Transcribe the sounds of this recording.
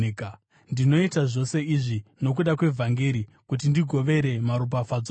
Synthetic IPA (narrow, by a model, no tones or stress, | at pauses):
ndino̞itaʐo̞se̞iʐino̞k̬uɗakwe̞vʱaŋɡeɾi | kut̬indiɡʱo̞ʋe̞ɾe̞maɾup̬afad͡za